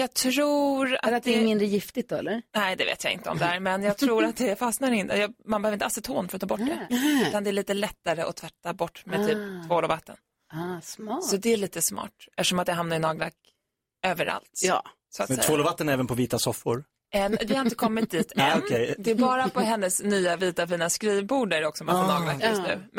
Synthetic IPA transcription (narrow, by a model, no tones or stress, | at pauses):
jɑːɡ̚t̪ʰɾuːɾa̰at̪̚d̪ɛɛmɪnd̪ɾəjɪft̪ɪt̪̚d̪ɔɛ̰lːəɾnɛɪd̪ɛvḛːt̪ja̰ɪ̰nt̪əɔ̰md̪ɛhæːɾmɛnjɑːɡ̚t̪ʰɾuːɾat̪̚d̪ɛfasnaɾɪnt̪ə̰jɑmanbɛhøvɾɪnalsɪt̪ʰoːnfœɾt̪ʰːɑːbɔʈːdɛt̪and̪ɛæɭiːt̪əlɛt̪ːaɾəʔɔt̪ʰvɛt̪ːabɔʈːmɛt̪ʰyːp̚t̪ʰvoːlɔvat̪ːə̰n | sɔd̪ɛæɭiːt̪əsmɑ̰ːʈɛt̪ə̥ʂɔmat̪jaɦamnaɾɪnɑːɡla̰k | øːvəɾʔa̰lt̪ː | sɔat̪ɛtɛvoːlɔvat̪ːənɛːvənpʰɔviːt̪asɔfːʊɾ | ɛvɪhaɾɪnt̪əkʰɔmːɪt̪̚d̪iːt̪ɛɛjd̪ɛːɾbɑːɾapɔɦɛnːəsnyːaviːt̪afiːnaskɾiːvbuːɖæɖɛɔksɔmafɔnɑːɡlakːjɵsnʉ̟̰ː